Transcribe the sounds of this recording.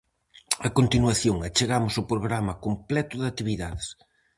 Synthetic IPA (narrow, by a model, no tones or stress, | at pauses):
ɐkont̪inwɐθjoŋɐt͡ʃeɣamʊsʊpɾoɣɾamɐkomplɛt̪ʊðɐt̪iβiðaðɪs